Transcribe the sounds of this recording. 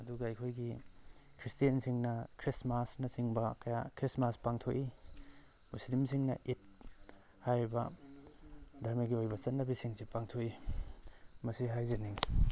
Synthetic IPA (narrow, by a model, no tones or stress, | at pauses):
ɐduɡɐɐjkʰojɡikʰɾistijɐnsiŋnɐkʰɾismasnɐsiŋbɐkɐjakʰɾismaspaŋtʰoʔi | muslimsiŋnɐ̰ʔit̚ | hajɾibɐ̰ | dʱɐɾmɐɡiojbɐt͡ʃɐtnːɐbisiŋsepaŋtʰoʔi | mɐsiɦajzɐniŋ